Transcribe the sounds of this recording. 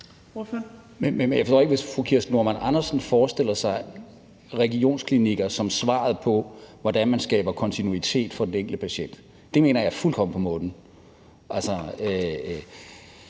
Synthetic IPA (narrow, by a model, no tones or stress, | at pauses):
mememenjaɪfɒsdɔ̰ːeɡ̥ʋe̝sfʁukʰiɐsnuɐmænɑ̈nɐsn̩fɒːsd̥e̝l̰ɐsɑ̈ɪ | ʁɛɡio̝̰ːnskʰliniɡ̥ɐsɒ̽msʋɑ̰̈ð̩ˠpʰɒ̽ʋɒd̥ænmænsɡ̥ɛ̰ːb̥ɐkʰɒ̽nt͡sʰinuit͡sʰe̝̰ːd̥fɒ̽d̥eneŋɡ̥ləpʰæɕen̰d̥ | d̥e̝me̝ːnɐjɑɪfulkʰɒ̽m̰n̩pʰɒ̽mɔ̽ːnn̩ | ʔælsɐø